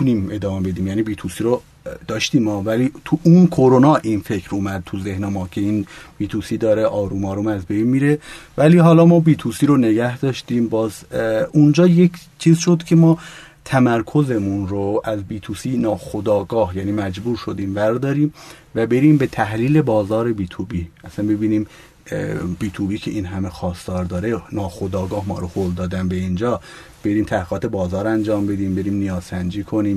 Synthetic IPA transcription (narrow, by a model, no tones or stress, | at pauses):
uniːme̞d̪ɒːmebe̞d̪iːmjæːniːbiːt̪ʰusiɾo | d̪̥ɒːʃt̪iːmɒːvæliːt̪ʰuʔunkʰoɾonɒːʔinfecʰɾʔuːmæd̪̚t̪ʰuzehnemɒːcʰe̞iːnb̥iːt̪ʰusiːd̪ɒːɾeʔɒːɾuːmɒːɾumæzbe̞jnmiːɾe̞væliːɦɒːlɒːmɒːbiːt̪ʰuːsiːɾone̞ɡæhd̪ɒːʃt̪iːmbɒːzund͡ʒɒːje̞kʰt͡ʃʰiːzʃo̞d̪cʰe̞mɒː | t̪ʰæmæɾkʰo̞ze̞munɾoʔæzbiːt̪ʰusiːnɒːxod̪ɒːɡɒːhjæːniːmæd͡ʒbuːɾʃo̞d̪iːmvæɾd̪ɒːɾiːmvæbe̞ɾiːmbe̞t̪ʰæhliːle̞bɒːzɒːɾe̞biːt̪ʰubiːʔæsænbe̞biːniːm | biːt̪ʰubiːcʰe̞ʔiːnɦæmexɒːsd̪ɒːɾd̪ɒːɾenɒːxod̪ɒːɡɒːhmɒ̰ːɾohold̪ɒːd̪ænbeind͡ʒɒː | b̥e̞ɾiːmt̪ʰæhiːʁɒːt̪ʰe̞bɒːzɒːɾænd͡ʒɒːmbe̞d̪iːmbe̞ɾiːmnijɒːz̥sænd͡ʒiːkʰo̞niːm